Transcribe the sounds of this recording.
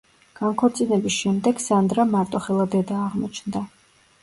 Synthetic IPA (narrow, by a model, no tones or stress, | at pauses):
ɡ̥ankʰɔɾt̪sʼinɛbisʃɛmd̪ɛɡ̥sand̪ɾamaɾt̪ʼɔχɛlˠad̪ɛd̪aːʁmɔt͡ʃʰnd̪a